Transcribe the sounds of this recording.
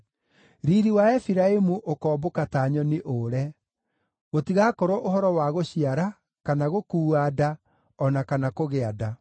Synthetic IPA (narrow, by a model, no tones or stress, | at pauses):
ɾiɾiwaɛfiɾaemuʔokɔːbokataːɲɔniʔoɾɛ | ɣotiɣakɔɾɔʔohɔɾɔwaɣoɕiaɾa | kanaɣokuːada | ɔnakanakoɣeada